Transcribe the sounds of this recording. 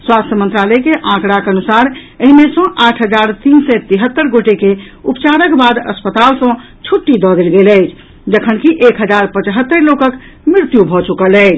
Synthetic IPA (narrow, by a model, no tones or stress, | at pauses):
swast̪ʰjəmənt̪ɾalɛkeʔãkɽakənusaɾ | əɦimesə̃ʔaʈʰɦəd͡ʒaɾt̪insɛt̪iɦət̪ːəɾɡoʈeke | upt͡ʃaɾəkbad̪ə̰spət̪alsə̃ | t͡ʃʰuʈːid̪ɔd̪elɡeləɪt͡ʃʰ | d͡ʒəkʰənkiʔekɦəd͡ʒaɾpət͡ʃɦət̪ːəɾlokək | mɾiɾt̪jubʱɔt͡ʃukələɪt͡ʃʰ